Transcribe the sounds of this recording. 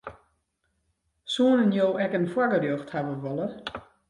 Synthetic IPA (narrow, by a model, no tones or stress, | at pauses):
suːnənjoːʔɛkənfwaɡərjoːxthaʋəʋɔlə